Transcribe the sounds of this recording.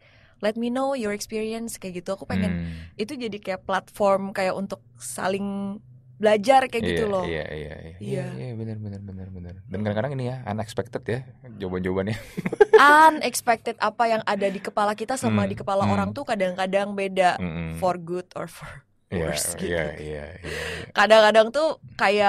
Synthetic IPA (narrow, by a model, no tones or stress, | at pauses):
lɛt̪̚minowjɔɾɛkspiɾiənskajaɡit̪uakupeŋɛnit̪ud͡ʒadikajaplat̪fɔrmkajaʔunt̪ʊk̚sa̰lɪŋ | bəlad͡ʒarkajaɡit̪ulɔhḭja̰ḭja̰ḭjaijajabənərbənərbənərbənərdankadaŋkadaŋinijaa̰nɛkspɛk̚t̪ɛt̪jad͡ʒoband͡ʒobanjaanɛkspɛk̚t̪ɛt̪̚apajaŋadadikəpalakit̪asamadikəpalaoɾaŋt̪ukadaŋkadaŋbedafɔrɡut̪ɔ̰rfɔr | jɔasɡija̰ija̰iakadaŋkadaŋt̪ukaja